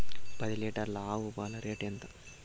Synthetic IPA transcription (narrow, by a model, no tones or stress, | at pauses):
pɐd̪ileːʈɐɾlaːwubaːlɐɾeːʈent̪ɐ